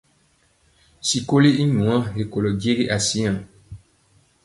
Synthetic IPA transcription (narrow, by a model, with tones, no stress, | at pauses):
si˨ko˦le˦i˦ɲũ˨ã˦ɦe˨ko˨lɔ˨di˦e˦ɾe˦ʔa˨sĩ˦ã˨